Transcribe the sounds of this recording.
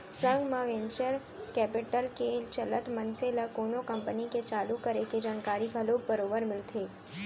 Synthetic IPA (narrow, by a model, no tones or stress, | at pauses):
səŋɡmãʋɛ̃nt͡ʃəɾ | kɛpiʈəlkelt͡ʃələt̪mənseləkonokəmpəniket͡ʃalukəɾeked͡ʒaːnkaɾikəlobəɾobəɾmɪlt̪ʰe